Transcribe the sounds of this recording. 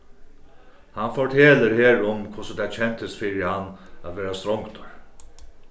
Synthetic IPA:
hanfɔʈʰeːləɾheːɾʊmkʰʊsət̪ʰɛt͡ɕʰɛnt̪ʰəst̪fiːɾɪhanːat̪ʋeːɾast̪ɾɔŋkt̪ɔɹ

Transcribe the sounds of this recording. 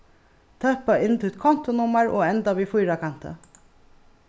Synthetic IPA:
t̪ʰœhpaɪnt̪ʰut̪kʰɔn̥t̪ʊnʊmaɹo̰ːɛnt̪aʋiːfʊjɾakʰan̥t̪ə̰

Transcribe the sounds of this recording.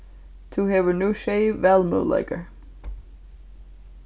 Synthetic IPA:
t̪ʰuɦɛvənuʃeɪvɛlˠmo̰ːlɛ̰ɡə˞

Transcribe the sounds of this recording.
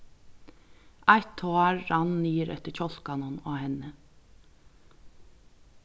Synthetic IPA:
ʔɑɪt̪ʰoːɑɹːɑnniːəɾɛ̰t̪əçɔl̥kɑnɔnoːhɛnə

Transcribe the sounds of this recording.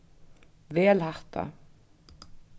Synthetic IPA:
vɛːlhaht̪ʰa̰

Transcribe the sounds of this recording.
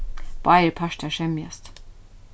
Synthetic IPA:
baɪlpʰaʃtɛʃɛmjɛst

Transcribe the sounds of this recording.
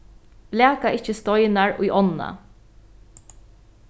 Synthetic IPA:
læːkaɪcəst̪ɔjnaɹʊjʔɔnːa̰

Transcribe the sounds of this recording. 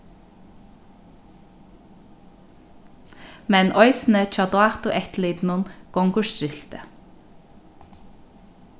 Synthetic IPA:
mɛnʔɔʏsn̩ət͡ʃɑd̪ʊɑt̪ʊʔɛt̪liːd̪nʊnɡ̥ɔŋɡʊʃt̪ʏɬt̪ə

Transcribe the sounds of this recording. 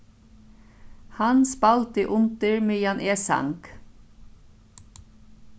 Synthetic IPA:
hɑnspɑlt̪əʔʊnt̪əɹmeːjɑnʔeːsɑ̰ŋk

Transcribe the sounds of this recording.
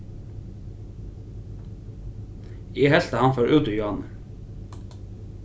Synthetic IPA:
eːhɛlt̪əhɑnfɔɾʔʉːd̪əjʊɑnə

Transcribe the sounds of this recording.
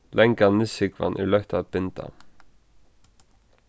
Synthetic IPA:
lɛŋkanːɪsɪkva̰nʔæ̰ɭœht̪ʰat̪̚b̥ɪnt̪ʰa̰

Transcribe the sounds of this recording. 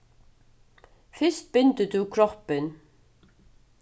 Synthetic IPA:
fɪst̪̚b̥ʏnt̪əd̪ukʰɾɔpən

